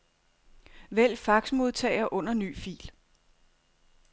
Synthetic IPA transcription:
ʋel̰fɑ̈ɡ̥smo̝ð̞ˠt͡sʰɛ̰ːɪɐʔɔ̽n̰ɐny̰ːfḭːl

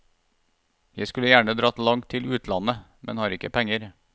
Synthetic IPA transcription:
jæɪskʉləjæːɳəd̪ɾɑːt̪lɑŋt̪ʰːɪlʉːt̪ʰlɑnə | mɛ̰nhɑːɾɪkːəpʰɛŋəɾ

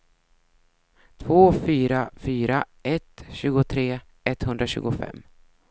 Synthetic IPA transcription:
t̪ʰvoːfyːɾafyːɾa | ɛt̪ɕʉ̟ːɡʊt̪ʰɾeː | ɛt̪ːhɵnd̪ɾaɕʉ̟ːɡʊfɛ̰mː

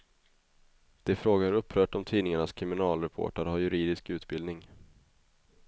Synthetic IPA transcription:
d̪̥ɛfɾoːɡaɾɵpʰːɾœːʈɔmt̪ʰiːnɪŋaɳaskʰɾɪmɪnɑːlɾɛpʰo̰ːʈaɾhaɾjɵɾiːd̪ɪskʉ̟ːt̪bɪld̪nɪŋ

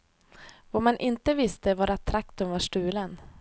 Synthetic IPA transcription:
vɔmanʔɪnt̪əvɪst̪əvaːɾat̪ʰɾakt̪ɵmvaʂʈʉ̟ːlən

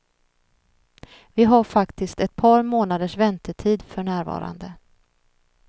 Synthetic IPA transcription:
vɪɦaɾfakt̪ɪst̪ɛt̪̚pʰɑːɾmoːnad̪əʂvɛnt̪əʈʰiːd̪fœɳæːɾvɑ̰ːɾa̰nd̪ə

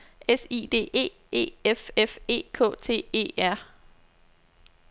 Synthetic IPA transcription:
esḭːd̥e̝̰ːe̝̰ː | e̝̰ːefefe̝̰ːkʰɔ̰̽ːt͡sʰe̝̰ːe̝̰ːæɐ̰

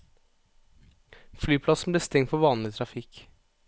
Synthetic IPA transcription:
flyːpʰlɑsn̩bleːst̪ɛŋfɔʋɑːnlɪt̪ʰɾɑfɪk

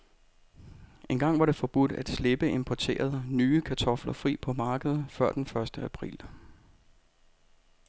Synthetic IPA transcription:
ʔe̝nɡ̥ɑ̈ŋ̰ʋɑ̈ɾe̝fɒ̽b̥ud̥æd̥sle̝b̥əe̝mpʰɒt͡sʰe̝̰ːɐð̞̩ˠnyːəkʰæt͡sʰɒ̽flɐfʁḭːpʰɒ̽mɑ̈ːɡ̥əð̞̩ˠfɶɐ̰d̥enfɶɐsd̥əæpʰʁḭːl

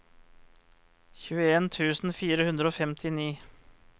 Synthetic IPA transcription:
çʉːəeːnt̪ʰʉːsn̩fiːɾəhʉnd̪ɾəoːfɛmt̪ʰɪniː

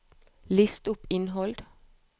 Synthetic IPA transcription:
lɪst̪ʊpɪnɦɔld̪̥

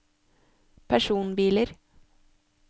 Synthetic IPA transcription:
pʰæʃuːnbiːləɾ

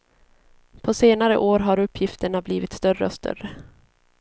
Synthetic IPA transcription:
pʰɔseːnaɾə̰ʔoːɾɦaɾɵpʰːjɪft̪əɳabliːvɪt̪st̪œrə̰ɔst̪ʰœ̰ɾə

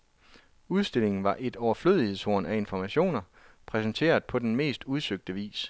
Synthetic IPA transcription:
uð̞ˠsd̥e̝le̝ŋn̩ʋɑ̈ʔe̝d̥ɒʊɐfløðˠihe̝ðˠso̝̰ɐnæe̝nfɒmæɕo̝̰ːnɐ | pʰʁɛsnt͡sʰe̝̰ːɐð̩ˠpʰɒ̽d̥enme̝̰ːsd̥uð̞ˠsøɡ̥̚d̥əʋḭːs

